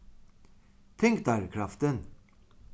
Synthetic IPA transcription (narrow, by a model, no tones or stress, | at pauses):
t̪ʰɛŋk̚d̪æɾkʰɾɑft̪ən